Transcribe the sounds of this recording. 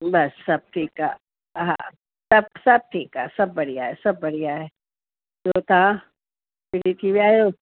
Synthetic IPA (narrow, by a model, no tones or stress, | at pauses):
bɐsːɐb̚ʈʰiːka | ɦã̰ | sɐb̚sɐb̚ʈʰiːka̰ːsɐbːɐɽijaɦɛsɐbːɐɽijaɦɛː | d͡ʒoːt̪ã | pɪɽit̪ʰibiaːjoː